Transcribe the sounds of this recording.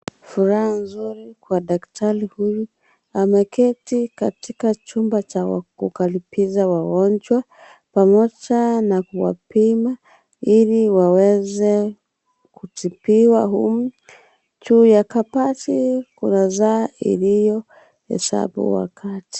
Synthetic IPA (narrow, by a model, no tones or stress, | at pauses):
fuɾahanzuɾikwaɗaktaɾihuju | amɛkʰɛtikatikat͡ʃumbat͡ʃawa̰kukalipizawawɔnd͡ʒwa | pamɔd͡ʒanakuwa̰pima | iliwawɛzɛ | kutipiwaɦum̩ | t͡ʃuːjakapatikṵnazaːḭlijɔ | hɛ̰sa̰bṵwa̰kʰati̥